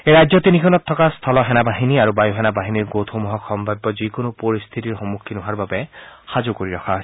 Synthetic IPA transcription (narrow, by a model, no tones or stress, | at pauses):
eɹajzɔt̪inikʰɔnɔt̪ʰːɔkast̪ʰɔlɔɦɛnabaɦiniaɹubajuɦɛnabaɦiniɹɡot̪ʰomɔɦɔkʰːɔmbʱabːɔzikonʊpoɹist̪ʰit̪iɹxɔmukʰːinuɦaɹbabɛxazukoɹiɹɔkʰaɔ